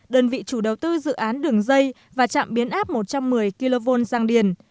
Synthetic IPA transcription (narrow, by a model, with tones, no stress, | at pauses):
ɗəː˧nvḭ˧˨t͡ɕu˧˩ɗə˨˩wt̪ɨ˧zɨ̰˧˨ʔaː˨˦nɗɨ˨˩əŋzə˧j | vaː˨˩t͡ɕa̰ː˧˨mɓi˨˦ənʔaː˦˥p̚mo˨˩t̚t͡ɕɔ˧mːɨ˨˩əjki˧lo˧vo˧nzaː˧ŋɗi˨˧˩ən